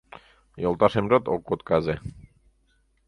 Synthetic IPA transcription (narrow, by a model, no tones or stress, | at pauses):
jolˠt̪aʃemɾot̪okːot̪kaze